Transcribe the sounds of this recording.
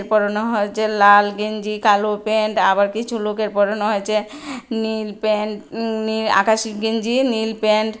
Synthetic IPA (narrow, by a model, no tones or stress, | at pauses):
ɾpɔɾonoɦojet͡ɕʰelalɡend͡ʑikalopeɳʈabaɾkit͡ɕʰulokeɾpɔɾonoɦojet͡ɕʰe | nilpenia̰kaʃiɡend͡ʑinilpeɳʈ